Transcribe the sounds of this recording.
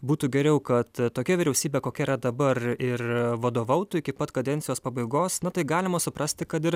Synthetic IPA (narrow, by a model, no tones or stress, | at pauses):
buːt̪uːɡʲɛɾʲɛʊkɐt̪t̪oːkʲɛʋʲɪɾʲɛʊsʲiːbʲeːkoːkʲɛiɾɐd̪ɐbɐrɪrʋɐd̪oːʋɐʊt̪uɪkʲɪpɐt̪kɐd̪ʲɛnʲsʲɪjoːspɐbɐɪɡoːsnɐt̪ɐɪɡɑːlʲɪmɐsʊpɾɐsʲt̪ʲɪkɐt̪ɪr